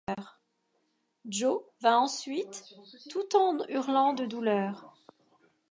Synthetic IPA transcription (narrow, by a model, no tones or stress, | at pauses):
ʁ | ʒovɛ̃ɑ̃sɥit̪ːut̪ɑ̃d̪ʁyʁlɑ̃d̪əd̪ulœːʁ